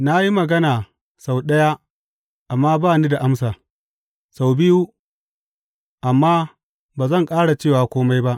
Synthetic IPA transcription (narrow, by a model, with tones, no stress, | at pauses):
na˦ji˦mɐ˨ɡɐ˦naː˨ | sa˨wɗɐ˦ja˦ | ʔa˨mːaː˦baː˦˨ni˦da˨ʔa˦msaː˨ | sa˨wbɪ˦ju˦ | ʔa˨mːaː˦ | baː˨zɐ˦˨ŋkʼaː˦ɽa˨t͡ʃeː˦˨waː˨kʷoː˦ma˦jba˦ʔ